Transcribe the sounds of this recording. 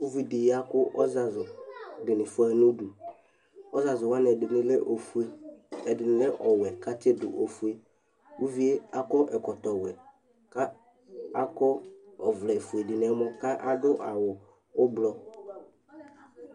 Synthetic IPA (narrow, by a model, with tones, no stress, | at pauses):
u˦vi˨dɪ˨ja˨kʊ˦ʔɔ˦za˨zʊ˨dɪ˨nɪ˨fʊ˦a˨nʊ˦du˨ | ɔ˦za˨zʊ˨wa˦nɛ˨dɪ˨n˨˦lʔo˨fe˦ɛ˨dɪ˨nɪ˨lɛ˦ʔɔ˨wɛ˨ka˦t͡ʃe˦dʊ̰˨ʔo˨fu˦e˨ | u˦vi˦e˦a˦kɔ˦ʔɛ˨kɔ˨t̪ɔ˨wɛ˨ | ka˦ | a˦kɔ˦ɔ˨vlɛ˨fu˨e˨dɪ˨nɛ˨˦mʊ˦ka˦ʔa˨dʊ˦ʔa˨wʊ˨ | ʊ˦blɔ˦